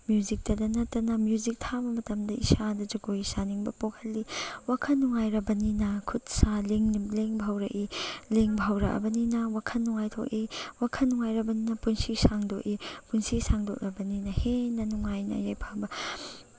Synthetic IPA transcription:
mjuzik̚tɐdɐnɐtːɐnɐmjuzik̚tʰabɐmɐtɐmdɐisadɐd͡ʒɐɡoisaniŋbɐpokʰɐlːiwakʰɐnːuŋajɾɐbɐninɐkʰut̚saleŋleŋbʱawɾɐʔileŋbʱawɾɐ̰ʔɐ̰bɐninɐwakʰɐnːuŋajtʰo̰k̚iwakʰɐnːuŋajɾɐbɐninɐpunsisaŋdok̚ipunsisaŋdok̚ɾɐbɐninɐhenɐnuŋajnɐ̰jajpʰabɐ

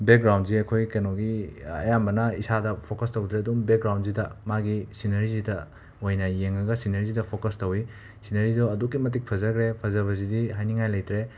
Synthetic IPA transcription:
bek̚ɡɾawnziɐkʰojkɐnoɡiɐ̰jambɐnɐisadɐpʰokɐstɐwdɾeɐdumbek̚ɡɾawnzidɐmaɡisinɐɾizidɐ | ojnɐjeŋɐɡɐsinɐɾizidɐpʰokɐstɐwi | sinɐɾidoɐdukːimɐt̬ik̚pʰɐzɐɡɾepʰɐzɐβɐzidiɦajniŋajlɐjtɾe

